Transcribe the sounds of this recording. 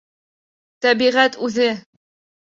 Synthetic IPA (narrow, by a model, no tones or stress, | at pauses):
t̪æbiʁæt̪ʉðɘ